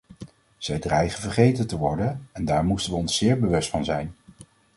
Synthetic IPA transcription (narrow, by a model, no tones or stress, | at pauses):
z̥ɛjdrɛjχənvəɹχejtəntəʋɔɹdənɛndaːɹmustənʋəɔnsːɪːɹbəʋɵstfɑnzɛjn